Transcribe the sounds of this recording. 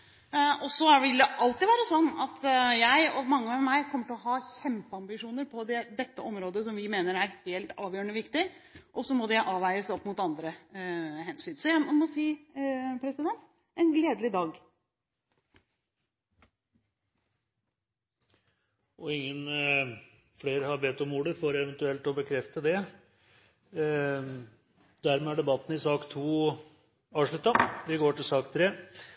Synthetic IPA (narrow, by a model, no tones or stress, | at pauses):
ɔsɔæʋɪld̪ɛʔɑlt̪ɪʋæːɾəsɔnːɑ̰t̪jæɪɔmɑŋːəɑʋmæɪkʰɔmːəʈɪɔɦɑːçɛmpəɑmbɪʂuːnəɾpʰɔd̪ɛd̪ɛt̪ːəɔmɾoːd̪əsɔmʋɪmeːnəɾæɾheːlt̪ɑːʋjøːənəʋɪkt̪ɪʔɔsːɔmɔd̪ɛjæɪʔɑːʋæɪəsɔpːmʊt̪ɑnd̪ɾə | hɛnsyːnsɔjæɪmmɔsiːpʰɾɛsɪd̪ɛnt̪ | ɛnɡleːd̪əlɪd̪ɑːɡ | ʔɔɪŋːən | fleːɾəhɑɾbɛt̪ːɔmuːɖəfɔɾɛʋɛnt̪ʉɛlt̪ɔbəkʰɾɛft̪əd̪ɛ | d̪̥æɾmɛæɖɛbɑt̪ːn̩ɪsɑːkt̪ʰuː | ɑːʋəʂɭʉt̪ːɑʋ̪ɛɡoːʈɪlsɑːkt̪ʰɾeː